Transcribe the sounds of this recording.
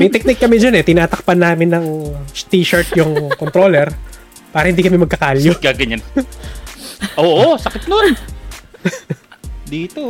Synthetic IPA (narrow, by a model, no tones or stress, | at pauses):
mɐjt̪ɛk̚nɪkːɐmɛd͡ʒɐnɛt̪ɪnaːt̪ɐk̚pɐnːaːmɪnːɐŋt̪iʃɐɹt̪jʊŋkont̪ɾoːlɛɾ | paːɾɐhɪnd̪iːkɐmɛmɐɡ̚kɐkaːljokaɡɐɲan | ʔoːʔosɐkɪt̪̚non | d̪iːt̪o